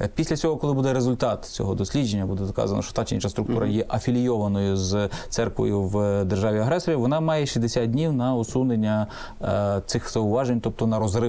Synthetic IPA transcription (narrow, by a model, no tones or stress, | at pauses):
pʲisʲlʲɐt͡sʲɔɦɔkɔlˠɪbud̪ɛɾezʊlʲt̪ɑt̪t͡sʲɔ̰ɦɔd̪ɔsʲlʲid͡ʒe̞nʲːɐbud̪ɛd̪ɔkɑ̰zɐ̰nɐ̰ʃɔ̥t̪ɑt͡ʃeḭnt͡ʃɐst̪ɾʊkt̪uɾɐ̰jɛʔɐfʲilʲijɔʋɐnɔjʊzt̪sɛrkʋɔ̰jʊwd̪erʒɑʋʲiɐɦɾɛsɔɾʲiʋɔnɑmɑjɛʃizd̪esʲat̪̚dʲnʲiwnɐɔsunenʲːɐ | t̪sɪxz̥ɐʊʋɑʒenʲt̪ɔp̚t̪ɔnɐɾɔzrɪ